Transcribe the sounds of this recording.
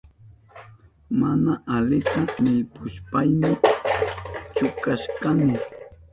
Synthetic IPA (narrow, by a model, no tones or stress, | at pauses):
manaʔalɪt̪amɪʎpʊʃpajmɪ | t͡ʃʊkaʃkanɪ